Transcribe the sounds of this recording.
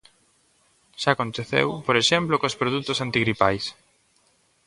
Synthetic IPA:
ʃakont̪eθḛwpoɾeʃemplokospɾoðut̪ʊsant̪iɣɾipa̰js

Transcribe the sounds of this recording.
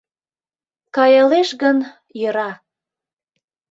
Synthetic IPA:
kɑjəleʃɣən | jə̆ɾɑ

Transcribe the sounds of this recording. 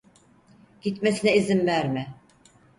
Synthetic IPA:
ɟ̥it̪mesinɛizimvæɾmɪ

